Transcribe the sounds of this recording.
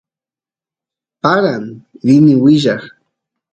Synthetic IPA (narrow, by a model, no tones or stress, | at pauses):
paɾaŋɾɪnɪwɪʒɑχ